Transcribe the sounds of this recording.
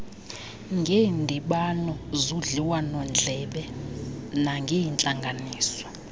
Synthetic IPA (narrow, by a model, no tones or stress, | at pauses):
ŋɡʱeːndʱiɓanɔzuɮiwanɔnd͡ɮʱɛɓɛ | naŋɡʱejint͡ɬʼaŋɡʱaniːsɔ̥